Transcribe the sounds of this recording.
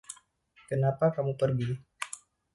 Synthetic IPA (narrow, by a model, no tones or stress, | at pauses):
kənapakamupərɡi